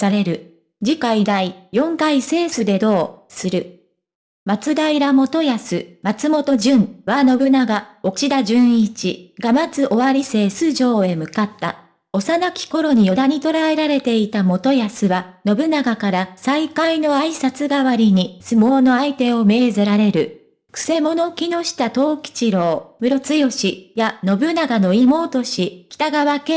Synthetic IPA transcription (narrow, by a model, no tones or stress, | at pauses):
saɾe̞ɾɯ̟ | d͡ʑikaid̪aijõ̞ŋkaise̞ːsɨd̪e̞d̪o̞ːsɨɾɯ̟ | mat͡sɨd̪aiɾamo̞t̪o̞jasɨmat͡sɨmo̞t̪o̞ʑɨ̃ɴβano̞bɯ̟naɡao̞t͡ɕid̪aʑɨ̃ɰ̃it͡ɕḭɡ̥amat͡sɨʔo̞βaɾʲise̞ːsɨʑo̞ːe̞mɯ̟kat̪ːa | o̞sanakʲi̥ko̞ɾo̞ɲ̟ijo̞d̪aɲ̟it̪o̞ɾae̞ɾaɾe̞t̪e̞it̪amo̞t̪o̞jasɨβano̞bɯ̟naɡakaɾasaikaino̞aisat͡sɨɡaβaɾʲiɲ̟isɨmo̞ːno̞ait̪e̞o̞me̞ːzɨɾaɾe̞ɾɯ̟ | kɯ̥se̞mo̞no̞kʲino̞ɕi̥t̪at̪o̞ːkʲi̥t͡ɕiɾo̞ːmɯ̟ɾo̞t͡sɨjo̞ɕijano̞bɯ̟naɡano̞imo̞ːt̪o̞ɕikʲi̥t̪aɡaβake